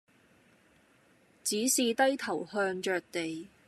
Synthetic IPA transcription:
t͡siː˨˥siː˨˧t̪ɐ˥jt̪ʰɐ˨˩whœː˧ŋt͡ʃœː˨k̚t̪e˨j

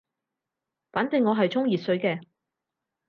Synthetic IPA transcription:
faː˨˥nt̪ɪ˨˧ŋːɔː˨˧ɦɐ˨jt͡sʰʊ˥ŋjiː˨t̚sɵ˨˧ɥkɛː˧

